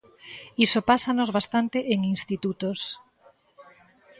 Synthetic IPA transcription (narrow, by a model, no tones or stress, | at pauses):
isopasanozβast̪ant̪eʔeŋinst̪it̪ut̪os